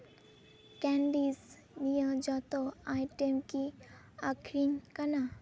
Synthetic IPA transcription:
kɛ̃ːɳɖiːz | nijə̃d͡ʒɔt̪oajʈemki | akʰɾinkɐna

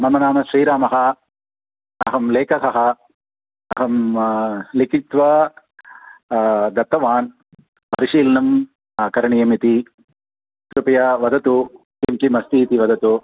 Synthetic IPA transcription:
mɐmɐnaːmɐʃɾiːɾaːmɐɦɐ | ɐ̰ɦɐmleːkɐsɐɦɐ | ɐ̰ɦɐm | likit̪ʋɐ | d̪ɐt̪ːɐʋaːn | pɐ̰ɾiʃiːlnɐm | kɐɾɐɳijɐmit̪i | t̪ɾupɐjɐʋɐd̪ɐt̪u | kimkimɐst̪iːt̪iʋɐd̪ʱɐt̪u

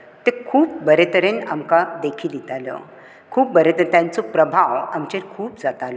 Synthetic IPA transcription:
t̪ekʰuːp̚bəɾet̪əɾena̰mkad̪ekʰiːljit̪alɔ̰ | kʰuːp̚bəɾet̪əɾnt̪jant͡sɔpɾəbʱaʋamt͡ɕenkʰuːp̚d͡zat̪alɔ

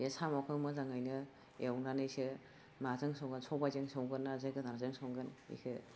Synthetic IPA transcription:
esamɔkʰɯmɯzaŋajnɯ | ewnanɯjsɯ | mazɯŋsɔwŋɡɯnsɔbazɯŋsowŋɡɯnːazɯɡɯdaɾzɯŋsowŋɡɯnḭkʰɯ

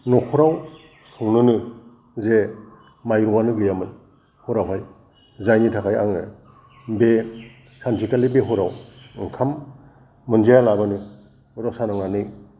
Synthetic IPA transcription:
nɔhʰuɾaw | suŋnɯnɯ | ze | majɾuŋanɯɡɯjamɯn | huɾawɦaj | zajnitʰakʰaja̰ŋɯ | be | sansʰikalibeɦuɾawŋkʰamː | ɯnd͡ʒajalabanɯ | ɾɔsanaŋanɯj

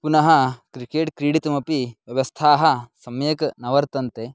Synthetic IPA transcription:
punɐɦɐkɾikeːʈkɾiɽit̪ɐmɐpiʋjɐʋɐst̪ʰaːɦɐsɐmjɐkɐnɐʋɐɾt̪ɐnt̪e

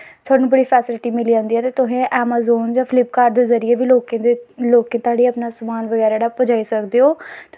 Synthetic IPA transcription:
t̪ʰʊaːnũːbəɽiːpʰɛːsɪlʈiːmɪliːd͡ʒãːnd̪iːɛːt̪eːt̪ʊɦẽːʔɛːmaːzoːnd͡ʒãːpʰlɪpkaːɾd̪eːzəɾɪjeːʋiːloːkẽd̪eloːkẽːt̪ʊaːɽiːəpnaːsəmaːnʋəɡɛːɾaːɽaːpəd͡ʒaːisəkd̪eːoː

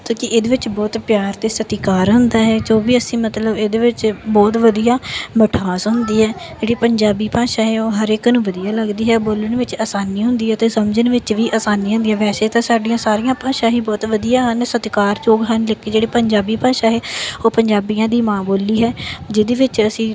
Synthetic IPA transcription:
t̪ũːkɪʔeːd̪eːʋɪt͡ʃbɔːt̪pjaːɾt̪eːsət̪ɪkaːɾɦʊnd̪aːɦɛːd͡ʒoːbiːəsĩːmət̪ləbeːd̪eːʋɪt͡ʃbɔːt̪ʋəd̪ijãːməʈʰaːsɦʊnd̪iːɦɛːd͡ʒeːɽiːpəɲd͡ʒaːbiːpãːʃãːɦɛːoːɦəɾɪknũːʋəd̪ijaːləɡd̪iːɦɛːboːləɳʋɪt͡ʃaːsaːniːɦʊ̃nd̪iːɦɛːt̪eːsəmd͡ʒənʋɪt͡ʃʋiːʔaːsaːniːɦʊ̃nd̪iːɦãːʋɛːseːt̪ãːsaːɖijãːsaːɾijãːpaːʃãːɦiːbɔːt̪ʋəd̪ijãːɦənsət̪kaːɾt͡ʃoːɡɦənlɪkːeːd͡ʒeːɽeːpəɲd͡ʒaːbiːpãːʃaːɦeːoːpəɲd͡ʒaːbijãːd̪iːmãːboːliːɦɛːd͡ʒɪd̪eːʋɪt͡ʃəsĩː

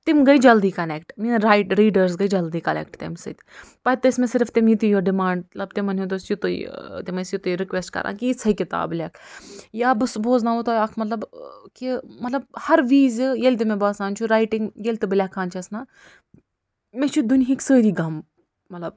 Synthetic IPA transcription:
t̪imɡɐid͡ʒɐld̪iːkɐnekʈminɾaːjʈɾiːɖəɾs̬ɡɐid͡ʒɐld̪iːkɐnḛːkʈt̪ḛmsɐ̰t̪ʲpɐt̪ɨɪsmẽsɪɾft̪imit̪ijoɖɪmaːɳɖlɐbt̪emɐnʲɦut̪osjut̪o̰t̪imɐsjut̪oɾɪkʋesʈkɐ̰ɾʔa̰ːkiit͡sʰɐikɪt̪a̰ːblʲeːkʰjaːbɨsboːznaːut̪oɐkʰmɐt̪lɐbkimɐt̪lɐb̚hɐɾʋiːzjelʲt̪̬imẽbaːsaːnt͡ʃʰuɾaːjʈiŋɡjelʲt̪iblʲakʰaːnt͡ʃʰɐsnaː | mẽt͡ʃʰud̪unɦiksəːɾiːɡɐm | mɐt̪lɐb̚

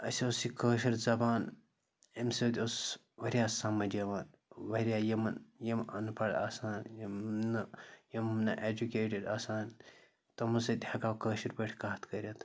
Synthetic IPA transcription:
ɐsʲiosikəːʃiɾzɐbaːn | ɐmsɐːt̪ʲos | ʋɐɾʲjaːsɐmɐd͡ʒɐʋaːn | ʋɐɾʲjaːjɐmɐnjɐmɐ̰npɐɽa̰ːsaːnjmnɐjɐmnɐʔed͡ʒukeːʈiɖaːsaːn | t̪ɐmɐsɐd̪ʲɐkaːkəːʃɐɾpɐʈʰʲkaːɐt̪kɐɾʲjɐt̪ʰ

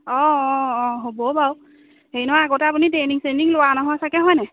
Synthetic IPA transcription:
ɔ̃ɔɔ̃ɦobɔbaw | heinɔaaɡotɛap̬uniteniŋsendiŋlʊwanɔɦɔjsakɛɦɔjnɛ

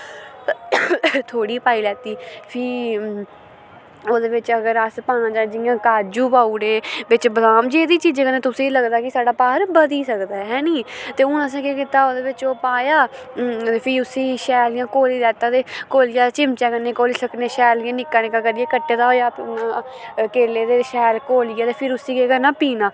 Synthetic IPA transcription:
t̪ʰoːɽiːpaːiːlɛːt̪iːpʰiː | oːd̪eːʋɪt͡ʃəɡəɾaspãːnãːd͡ʒaːd͡ʒɪjãːkaːd͡ʒuːpaːuːɽeːbɪt͡ʃbəlaːmd͡ʒeːd̪iːt͡ʃiːd͡ʒkəneːt̪ʊsẽːiləɡd̪aːkɪsaːɖaːpaːɾbəd̪iːsəkd̪aːɦɛːniːt̪eːʊnəs̬ẽːkeːkɪt̪aːoːd̪eːʋɪt͡ʃoːpaːjaː | pʰɪʊsĩːʃɛːljãːkoːliːd̪ɛːt̪ːãːt̪eːkoːlɪjaːt͡ʃɪmt͡ʃɛːkənːeːkoːliːsəkneːʃɛːlãːnɪkːaːnẽːkəɡəɾeːkəʈːeːt̪aːɦoːjaː | keːleːd̪eːʃɛːlkoːlijaːt̪eːpʰɪɾʊsiːkeːkənːãːpiːnaː

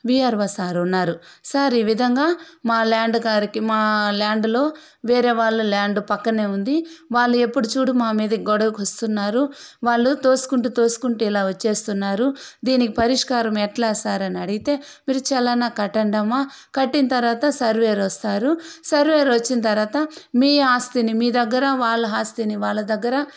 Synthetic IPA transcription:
ʋiːaːɾʋɐsaːɾunːaːɾusaːɾiːʋid̪ʱɐŋɡaːmaːlaːɳɖɡaːɾikimaːlaːɳɖlo̞ː | ʋeːɾe̞ːʋaːɭːulaːɳɖupɐkːɐne̞ːund̪iʋaːɭːue̞pːuɽut͡ʃuːɽumaːmiːd̪ɐkiɡɔɽɐʋukʋɐst̪unːaːɾuʋaːɭːut̪o̞ːsu̥kuɳʈut̪o̞ːsu̥kuɳʈuilaːʋɐt͡ʃːe̞ːst̪unːaːɾud̪iːnikipɐɾiʂkaːɾɐmɛʈlaːsaːɾɐniɐɽiɡit̪e̞ː | miːɾut͡ʃɛlɐnakɐʈːɐɳɖɐmaː | kɐʈːinɐt̪ɐɾʋaːt̪ɐsɐɾʋe̞ːɾɐst̪aːɾusɐɾʋeːɾʋɐt͡ʃːinɐt̪ɐɾʋaːt̪ɐmiːɦaːst̪inimiːd̪ɐɡːɐɾɐʋaːɭːɐɦaːst̪iniʋaːɭːɐd̪ɐɡːɐɾɐ

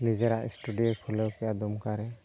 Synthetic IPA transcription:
nid͡ʒɛɾaʔḭsʈuɖijɔpʰulɔwkɛʔad̪ɔmkaɾɛ

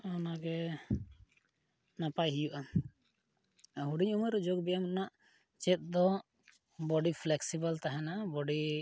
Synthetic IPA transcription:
ɔnaɡɛ | napajɦijuʔa | ɦuɖiɲuməɾd͡ʒoɡbɛjamnaʔ | t͡ʃɛt̪̚ˀd̪ɔ | bɔɖipʰlɛksibəlt̪aɦɛnabɔɖi

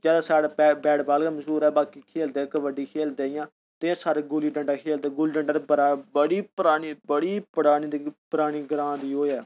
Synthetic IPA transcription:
d͡ʒɛːd̪aːsaːɽeːpɛːbɛːɽbaːlɡaːməʃuːɾɛːbaːkiːkʰeːld̪eːkəʋəɖiːkʰeːld̪eːɪjãː | t̪ɪãːsaːɽeːɡʊliːɖəɳɖaːkʰeːld̪eːɡʊliːɖəɳɖaːt̪eːbəɾaːbəɽiːpəɾaːɽiːbəɽiːpəɽaːɽ̃iːd̪ipəɾaːɽ̃iːɡəɾãːd̪iːɦoːɛː

